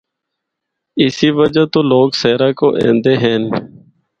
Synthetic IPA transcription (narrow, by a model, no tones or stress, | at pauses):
ɪsiːʋəd͡ʒaːt̪oːloːɡseːɾaːkoːʔḛ̃ːnd̪eːɦɛ̃ːn